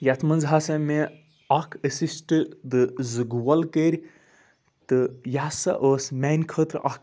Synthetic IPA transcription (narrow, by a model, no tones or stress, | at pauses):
jat̪ʰmɐnzɦaːsɐme | ɐkʰəsisʈɨd̪ɨzɨɡuwɐlkəɾʲ | t̪ɨjasɐ̰ʔoːsmanʲkʰət̪ɾɐ̰kʰ